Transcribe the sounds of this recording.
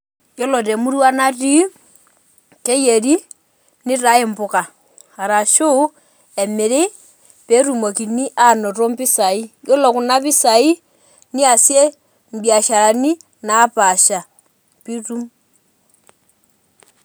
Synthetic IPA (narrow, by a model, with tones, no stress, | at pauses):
jɔ˦lɔ˨tɛ˨mu˦ɾu˦wa˦na˦ti˦ | kɛ˦je˨ɾi˦ | ni˦ɾa˦i˦mbu˨ka˨ | ha˨ɾa˨ʃo˦ | ɛ˨mɪ˨ɾɪ˦ | pɛ˦ɾu˨mo˨ki˨ni˦ʔa˦˨nɔ˨ɾɔ˦mpi˦sa˨i˦jɔ˦lɔ˨ku˨na˦pi˦sa˨i˦ | ni˦a˨sjɛ˦ | m˨bja˨ʃa˨ɾa˨ni˦ | naː˨˦paʃa˨ | pi˦tu˦m